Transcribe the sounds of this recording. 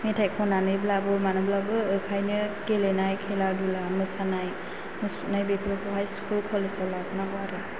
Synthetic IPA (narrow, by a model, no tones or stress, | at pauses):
metʰajkʰɔnanɯjblabɯmanɯblabɯɯkʰajnɯkelenajkʰeladulamɯsanaj | mɯsunajbepʰɾɔkʰɔɦajskʰulkʰalesalabnawaɾɯ